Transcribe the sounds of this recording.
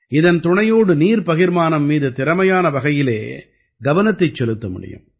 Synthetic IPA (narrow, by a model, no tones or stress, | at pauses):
ɪðɐnt̪ʊɳɐjoːɽɯniːɾpɐɣɪɾmaːnɐmːiːðɯt̪ɪɾɐmɐjaːnɐʋɐɣɐjɪlḛː | ɡɐʋɐnɐt̪ːɐɪt͡ʃːɛlɯt̪ːɐmʊ̰ɽɪ̰jɯ̰m